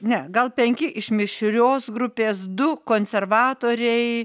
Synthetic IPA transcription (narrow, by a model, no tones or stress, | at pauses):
nʲɛɡɐlˠpʲɛŋʲkʲɪʔɪʃmʲɪʃʲɾʲoːsɡɾʊpʲeːsd̪ʊkoːnʲsʲɛrʋɑːt̪oːɾʲɛɪ